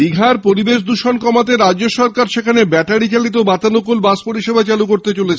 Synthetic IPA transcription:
biɡʱaɾpoɾibeʃd̪uʃonkɔmat̪̬eɾad͡ʑːoʃɔɾkaɾʃekʰanebɛʈaɽit͡ɕalit̪̬obat̪anukulbaspoɾiʃebʱat͡ɕalukoɾt̪et͡ɕolet͡ɕʰe

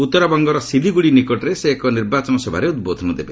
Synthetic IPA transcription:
ut̪ːɔɾɔbɔŋɡɔɾɔsid̪ʱiɡuɽinikɔʈɔɾeseːkɔniɾbat͡ʃɔnɔsɔbʱa̰ɾeud̪̚bod̪ʱɔnɔd̪ebe

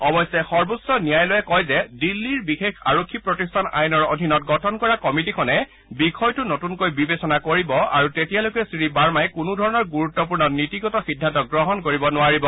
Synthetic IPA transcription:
ɔbɔjsɛxɔɹbusːɔnijajlojɛkɔjzɛdilːiɹbixekxʰa̰ɹokʰːipɹɔtistʰana̰jnɔɹodʱinɔt̚ɡɔtʰɔnkɔɹakɔmitikʰɔnɛ | bikʰɔjtʊnotunkojbibesɔnakoɹibɔa̰ɹutetijalokɛsɹibaɹmajkunudʱɔɹɔnɔɹɡuɹutːɔp̬uɹnɔnitiɡɔtɔxidʱːantɔk̚ɡɹɔɦɔnkoɹibɔnʊaɹibɔ

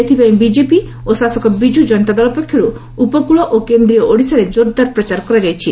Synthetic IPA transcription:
et̪ʰipaĩbid͡ʒepi | osasɔkɔbid͡ʒud͡ʒɔnt̪ad̪ɔlɔpɔkʰjɔɾu | upɔkuɭɔʔokend̪ɾijɔʔoɽisaɾed͡ʒoɾd̪aɾpɾɔt͡ʃaɾkɔɾad͡ʒajt͡ʃʰi

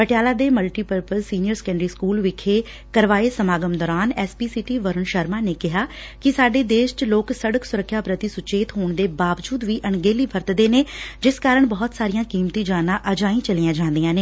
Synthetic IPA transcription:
pəʈɪjaːlaːd̪eːməlʈiːpəɾpəsːiːnɪjəɾsə̥kɛ̃ːɳɖɾiːskuːlʋɪkʰːeː | kəɾʋaːeːsəmaːɡəmd̪ɔːɾaːnɛːspiːsiːʈiːʋəɾəɳʃəɾmaːneːkɪɦaː | kɪsaːɖeːd̪eːʃt͡ʃloːksəɽəksʊɾəkʰːjaːpɾət̪iːsʊt͡ʃeːt̪ɦoːɳd̪eːbaːʋd͡ʒuːd̪ʋiːʔəɳɡeːliːpʰəɾt̪d̪eːneːd͡ʒɪskaːɾəɳbɔːt̪saːɾijãːkiːmt̪ĩːd͡ʒaːnãːʔəd͡ʒaːĩːt͡ʃəlijãːd͡ʒãːnd̪ijãːneː

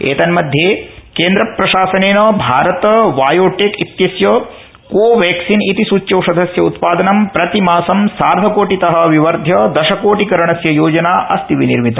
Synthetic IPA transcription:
ḛːt̪ɐnmɐd̪ʱjeːkeːnd̪ɾɐpɾɐʃaːsɐneːnɐbʱaːɾɐt̪ɐʋaːjoːʈeːkit̪jɐsjɐ | koːʋjɛːksinit̪isuːt͡ʃːjɐːsɐd̪ʱɐsjɐut̪paːd̪ɐnɐmpɾɐt̪imaːsɐmsaːɾd̪ʱɐkoːʈit̪ɐɦɐ̆ʋiʋɐɾd̪ʱjɐd̪ɐʃɐkoːʈikɐɾɐɳɐsjɐjoːd͡ʒɐnaːʔɐst̪iʋiniɾmit̪ɐ

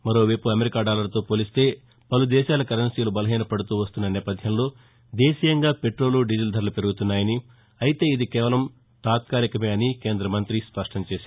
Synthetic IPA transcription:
mɐɾo̞ːʋɐjpuɐmeɾikaːɖaːlɐɾɐt̪o̞ːpoːlist̪e̞ː | pɐlud̪ɛːʃaːlɐkɐɾɐnsijɐlubɐlɐɦiːnɐpɐɽut̪uːʋɐst̪unːɐnɛːpɐd̪ʱjɐmlo̞ː | d̪eːʃijɐŋɡaːpe̞ʈɾo̞ːluɖid͡ʒild̪ʱɐɾɐlɐpe̞ɾuɡut̪unːaːjɐni | ɐjit̪e̞ːid̪ikɛːʋɐlɐm | t̪aːt̪̚kaːɾikɐmeːɐnikeːnd̪ɾɐmɐnt̪ɾispɐʂʈɐmt͡ʃeːʃ

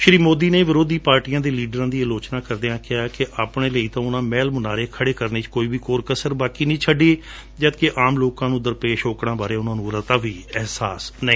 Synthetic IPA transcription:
ʃɾiːmoːd̪iːneːʋɪɾoːd̪iːpaːɾʈijãːd̪eːliːɖɾãːd̪iːəloːt͡ʃnaːkəɾd̪eãːkɪɦaːkɪʔaːpɳeːləiːt̪ãːʊnãːmɛːlmənaːɾeːkʰəɽeːkəɾneːt͡ʃkoːiːʋiːkoːɾkəsəɾbaːkiːnĩːt͡ʃʰəɖeː | d͡ʒət̪keʔaːmloːkãːnũːd̪əɾpeːʃoːkɽãːbaːɾeːʊnãːnũːɾət̪aːʋiːɛɦsaːsnĩ

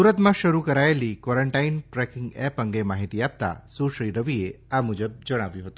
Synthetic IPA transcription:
uɾət̪mãʃəɾukəɾaelikʋɔɾəɳʈainʈɾɛkɪ̃ŋɡɛpə̃ŋɡemaɦit̪iap̚t̪a̰suʃɾiɾəʋie | amud͡ʒəb̚d͡ʒəɽ̃aʋjũɦət̪ũ̥

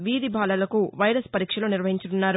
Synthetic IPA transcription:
ʋiːd̪ibʱaːlɐlɐkuʋɐjɾɐspɐɾiːkʂɐloːniɾʋɐɦiɲt͡ʃununːaːɾu

